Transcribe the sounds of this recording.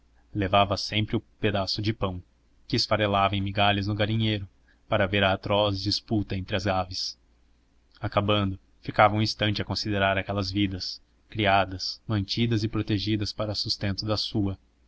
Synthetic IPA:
levavɐsẽmpɾɪʊped̪asʊd͡ʒɪpɐ̃w̃ | kɪːsfaɾelavɐẽmiɡaʎɐznʊɡaɾĩɲejɾʊ | paɾɐveɾaːt̪ɾɔz̬d͡ʒisput̪ɐẽnt̪ɾɪɐzɡavɪs | akabɐ̃nd̪ʊ | fikavɐ̃ũĩst̪ɐ̃nt͡ʃɪɐkõsid̪eɾaɾakɛlɐzvid̪ɐs | kɾiad̪ɐsmɐ̃nt͡ʃid̪ɐzɪpɾot̪eʒid̪ɐspaɾɐsust̪ẽnt̪ʊd̪ɐsuɐ

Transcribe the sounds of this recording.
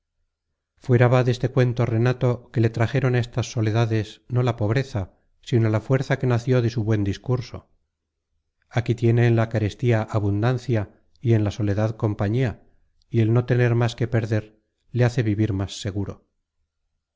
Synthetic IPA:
fwe̞ɾaβaðe̞st̪e̞kwe̞nt̪o̞re̞nat̪o̞ke̞le̞t̪ɾaxe̞ɾo̞naest̪asːo̞le̞ðaðe̞sno̞lapo̞β̞ɾe̞θa | sino̞lafwe̞ɾθake̞naθjo̞ðe̞suβwe̞nd̪iskuɾso̞ | akit̪je̞ne̞ːnlakaɾe̞st̪iaʔaβund̪anθja | ie̞nlaso̞le̞ðaðko̞mpaɲia | ie̞lno̞t̪e̞neɾmaske̞pe̞ɾðe̞ɾ | le̞aθe̞βiβiɾmasːe̞ɣ̞uɾo̞

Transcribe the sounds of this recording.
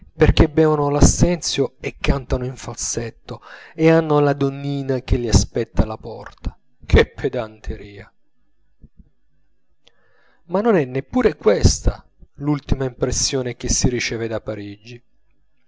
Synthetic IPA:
perk̟ebɛːvanolasːɛnt̪sjoekːant̪anoiɱfalset̪ːoeanːolad̪onːiːnak̟elːiaspɛt̪ːalapɔ̰rt̪ʰḁ | kʰepʰːed̪ant̪ʰeɾiːa | manːonɛnːepːuːɾekwest̪a | lult̪imaimpɾesːjɔːnek̟esːirit͡ʃɛːved̪apːaɾid͡ʒːi

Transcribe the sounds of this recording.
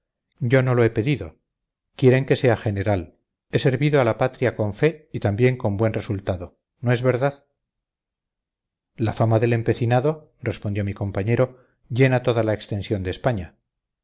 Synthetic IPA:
ɟ͡ʝo̞no̞lo̞e̞pe̞ðiðo̞̰ | kje̞ɾe̞ŋke̞se̞axe̞ne̞ɾal | e̞se̞ɾβiðoalapat̪ɾjako̞ɱfe̞it̪ambje̞ŋko̞mbwe̞nre̞sult̪aðo̞ | no̞e̞zβe̞ɾðað | lafamaðe̞le̞mpe̞θinaðo̞ | re̞spond̪jo̞miko̞mpaɲe̞ɾo̞ | ʝe̞nat̪o̞ðalaekst̪e̞nsjo̞nd̪eːspaɲa

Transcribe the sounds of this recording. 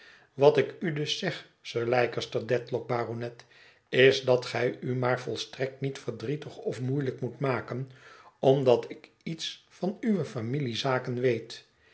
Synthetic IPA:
ʋɑtɪkydɵsːɛχ | søːɹlɛjkəstəɹdɛtlɔk̚baːronɛt | ɪzdɑtχɛjymaːɹvɔlˠstrɛk̚tnitfəɹdritəχɔfmujləkmutmaːkənɔmdɑtɪk | itsfɑnyʋəfamilizaːkənʋejt

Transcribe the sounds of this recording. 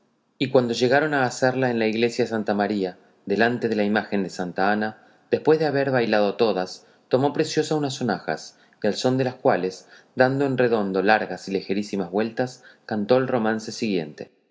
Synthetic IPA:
ikwand̪o̞ʒe̞ɣaɾo̞naːseɾlaenlaiɣle̞sjaðesant̪amaɾia | ðe̞lant̪e̞ðe̞laimaxe̞nd̪e̞sant̪aana | ðe̞spwe̞zðeaβeɾβajlað̞o̞t̪o̞ðas | t̪o̞mo̞pɾe̞sjo̞saunaso̞naxa̰s | delso̞nd̪e̞laskwale̞s | d̪and̪o̞enre̞ðo̞nd̪o̞laɾɣasilexeɾisimazβwe̞lt̪askant̪o̞elro̞manse̞siɣjent̪e̞̰

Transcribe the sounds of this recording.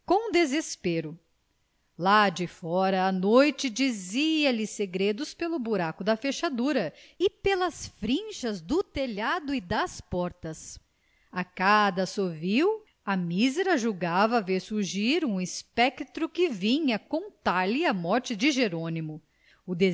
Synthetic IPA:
kõd̪ezespeɾʊ | lad͡ʒɪfɔɾɐːnojt͡ʃɪd͡ʒiziɐlɪseɡɾed̪ʊspelʊbuɾakʊd̪ɐfeʃad̪uɾɐɪpelɐsfɾĩʃɐzd̪ʊt̪eʎad̪ʊɪd̪ɐspɔɾt̪ɐs | akad̪ɐsoviw | ɐmizɛɾɐʒuɡavɐveɾsuɾʒiɾũispɛkt̪ɾʊkɪvĩɲɐkõnt̪aɾlɪɐmɔɾt͡ʃɪd͡ʒɪʒeɾõnimʊ | ʊd̪

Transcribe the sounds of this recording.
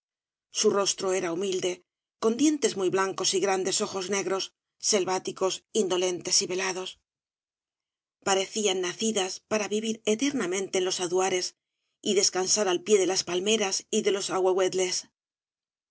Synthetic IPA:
suro̞st̪ɾo̞e̞ɾaumild̪e̞ | ko̞nd̪je̞nt̪e̞zmujβlaŋko̞siɣɾand̪e̞soxo̞zne̞ɣɾo̞sː | e̞lβat̪iko̞sind̪o̞le̞nt̪e̞siβe̞laðo̞s | paɾe̞θianːaθiðaspaɾaβiβiɾet̪e̞ɾnamẽ̞nt̪e̞ːnlo̞saðuaɾe̞s | iðe̞skansaɾalpje̞ðe̞laspalme̞ɾasiðe̞lo̞saɣweɣwe̞ðle̞s

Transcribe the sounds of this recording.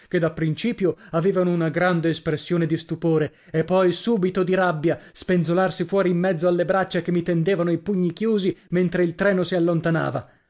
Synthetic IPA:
ked̪apːɾint͡ʃiːpjoaveːvanounaɡɾand̪eːspɾesːjoːned̪ist̪upoːɾe | epːɔjsuːbit̪od̪iɾabːjaspenzolarsifwɔːɾiːmːɛd̪zːoalːebɾat͡ʃːakemːit̪end̪eːvanoipuɲːikjuːziment̪ɾeilt̪ɾɛːnosialːont̪ana̰ːva

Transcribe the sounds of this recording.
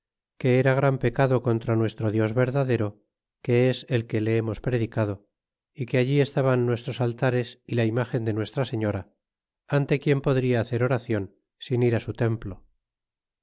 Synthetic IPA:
ke̞eɾaɣ̞ɾampe̞kaðo̞ko̞nt̪ɾanwe̞st̪ɾoðjo̞zβe̞ɾðaðe̞ɾo̞ | ke̞ese̞lke̞le̞emo̞spɾe̞ðikað̞o̞ | ikeaʎie̞st̪aβanːwe̞st̪ɾo̞salt̪aɾe̞silaimaxe̞nd̪e̞nwe̞st̪ɾase̞ɲo̞ɾa | ant̪e̞kje̞mpo̞ðɾiaːθe̞ɾo̞ɾaθjo̞n | siniɾasut̪e̞mplo̞

